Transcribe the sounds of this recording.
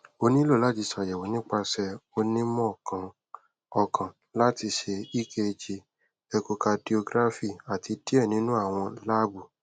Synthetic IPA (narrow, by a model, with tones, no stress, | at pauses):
o˧nĩ˦lo˦˨la˦˨d͡ʒi˧sa˨jɛ˨wo˨nĩ˦k͡pa˧sɛ˧o˧nĩ˦mɔ̃˦˨kʰã˨ | ɔ˨kʰã˨ | la˦ti˧ʃe˧i˦ke˧d͡ʒi˧ | ɛ˧ko˧ka˧di˧o˧ɡɾa˦fi˦˨a˨ti˧di˦ɛ˦˨nĩ˨˦nũ˦a˦˨w̃ɔ̃˧la˦bu˨